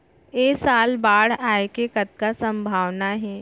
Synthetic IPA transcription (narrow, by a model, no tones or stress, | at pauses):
eːsaːlbaːɽ̤aːekekɐt̪̚kasɐ̃mbʱaːʋnaɦɛː